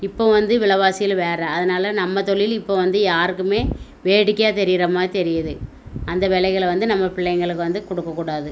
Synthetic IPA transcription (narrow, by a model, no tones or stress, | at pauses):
ɪpːoːʋɐnd̪ɯʋɪɭɐʋaːsɪjɪlʋeːɾɐɐðɐnaːlɐnɐmːɐt̪ɔɭɪlɪpːoːʋɐnd̪ɯjaːɾɯkːɯmeːʋeːɽɯkːɐjaːt̪ɛɾɪjɪɾɐmaːt̪ɛɾɪjɐðɯ | ɐnd̪ɐʋɛlɐɪɣɐɭʋɐnd̪ɯnɐmːɐpɪɭːɐɪŋɡɐɭɯkːɯʋɐnd̪ɯkɔɽɯkːɐkːuːɽaːðɯ